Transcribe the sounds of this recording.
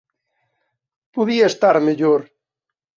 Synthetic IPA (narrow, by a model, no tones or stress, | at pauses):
poðiaest̪aɾmeʎoɾ